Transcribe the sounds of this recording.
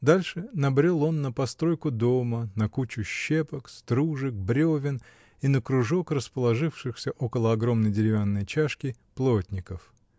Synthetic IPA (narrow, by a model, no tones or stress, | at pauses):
d̪alʲʂɨnɐbɾʲolˠo̞nːəpɐst̪ɾo̞jkʊd̪o̞mənɐkut͡ɕʊɕːe̞pəkst̪ɾuʐɨk̚bɾʲovʲɪn | inəkɾʊʐo̞krəspəlˠɐʐɨfʂɨxsʲəʔo̞kəlˠəɐɡɾo̞mnəjdʲɪɾʲɪvʲanːəjt͡ɕaʂkʲɪplˠotʲnʲɪkəf